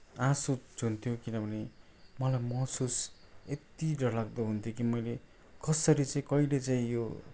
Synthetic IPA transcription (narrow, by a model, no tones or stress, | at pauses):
ãsud͡zʱunt̪ʰjokinʌbʱʌne | mʌlajmʌsuset̪idʌlaɡ̚d̪ʌɦunt̪ʰjokimʌjle | kʌsʌɾit͡saĩkʌilet͡saĩjo